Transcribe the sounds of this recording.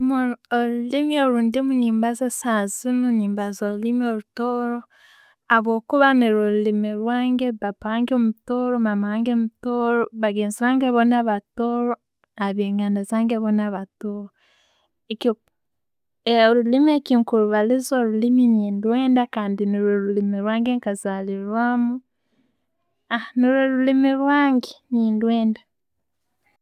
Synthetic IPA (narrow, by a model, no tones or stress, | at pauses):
mooɾulimioɾuːndimuɲiːmbazesazinoɲiːmbazoɾulimioɾutoːɾo | aβoːkuβaniɾoɾulimiɾwaːŋɡeβapaːŋɡeomutoɾomamaːŋɡemutoɾoβaɡeːnziɾaːŋɡeβonaβatoɾo | aβeːŋɡanezaːŋɡeβonaβatoɾo | eki | oɾulimiekiːŋkuɾuβalizwaɾuliminiːndweːndakaːndiniɾweɾulimiɾwaːŋɡeŋkazaliɾwamu | aniɾeɾulimiɾwaːŋɡeniːndweːnda